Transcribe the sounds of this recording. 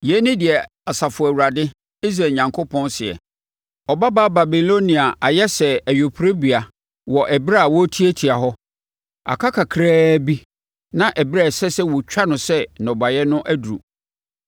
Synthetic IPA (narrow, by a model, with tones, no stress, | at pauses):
jɛ˨˦nɪ̃˦dɪ˨ɛ˨ | a˨sa˨fʊ˨æ˨wu˨ɾa˨dɪ˦ | i˦s̬ɾa˨ɲã˨ŋkʰo˦pʰɔ̃˦nsɪ˨ɛ̰˨ | ɔ˨ba˦baː˦ba˨bi˨lo˦nĩ˨a˨ʔa˨jɛ˦sɛ˨æ˨jo˨pʰɾe˦bi˨a˨ | wɔ˨ʔɛ˨bɾa˦˨wɔ˦tʰi˦ɛ˦tʰi˨a˨ɦɔ˦ | a̰˨kʰa˦kʰa˨kʰɾaː˦bi˦ | nã˦ʔɛ˨ba˦˨sɛ˦sɛ˦wɔ˨t͡ɕᶣa˦nʊ̃˨sɛ˦nɔ̃˨ba˨jɛ˦nʊ̃˦ʔæ˦du˨ɾṵ˨